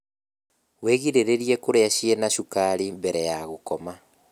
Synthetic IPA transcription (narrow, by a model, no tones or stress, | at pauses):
weɣiɾeɾeɾiekoɾeaʃienaʃukaɾimbɛɾɛjaɣokɔma